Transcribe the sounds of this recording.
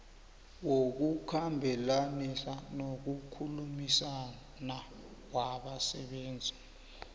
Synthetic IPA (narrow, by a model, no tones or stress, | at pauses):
wok̬ukʰambʱɛlanisanok̬ukʰulumisa | na | waɓasɛɓɛːnd͡zʱi̥